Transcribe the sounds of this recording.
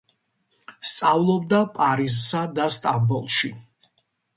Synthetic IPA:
st̪sʼavlˠɔbd̪apʼaɾizsad̪ast̪ʼambɔlˠʃi

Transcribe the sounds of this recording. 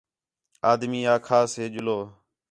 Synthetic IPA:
aːd̪miːaːkʰaːseːd͡ʒʊloː

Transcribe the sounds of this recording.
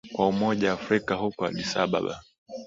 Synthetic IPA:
kwaumɔʄaːfɾikaɦukɔa̰lisaɓa̰ɓa̰

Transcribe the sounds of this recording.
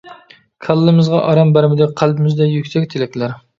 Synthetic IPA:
kʲʰɑlˠːɨmɨzʁɑʔɑɾɑmbæɾmɪd̪ɪk̚ʲqʰælpʰɪmɪzd̪ɛjykʲsɛk̚ʲt̪ʰelɛkʲlæɾ

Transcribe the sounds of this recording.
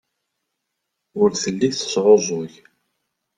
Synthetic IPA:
ʊɾθəlːiθə̥sʕozˤoʝ

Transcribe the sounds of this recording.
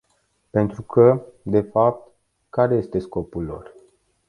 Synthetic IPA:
pe̞nt̪ɾukʰəd̪e̞fap̚t̪ | kaɾe̞je̞st̪e̞sko̞pulːo̞̰r

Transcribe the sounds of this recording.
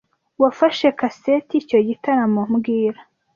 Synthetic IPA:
wafaʃe̞kasetico̞ɟitaɾamomɡiːɾḁ

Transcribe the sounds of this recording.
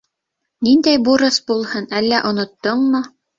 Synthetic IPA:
nind̪æjbuɾɤsbulˠhɤnælːæʔŏnŏt̪ːoɴmo

